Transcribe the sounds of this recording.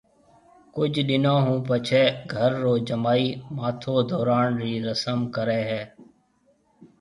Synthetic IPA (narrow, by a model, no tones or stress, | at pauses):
kʊd͡ʒʱɗɪnõːɦũːpət͡ʃʰeːɡʱəɾːoːd͡ʒəmaːiːmaːt̪ʰoːd̪ɔːɾaːnɾiːɾəsəmkəɾeːɦɛː